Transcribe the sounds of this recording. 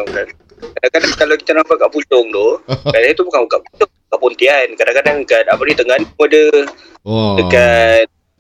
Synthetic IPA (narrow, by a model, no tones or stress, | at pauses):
la | kadakadaŋkalawki̥t̪anampakaʔput͡ʃɔŋd̪ʊkalait̪upukanukaʔput͡ʃʊŋkaʔpunt̪iankadaŋkadaŋkat̪apəɾit̪əŋanadə | dəkat̪̚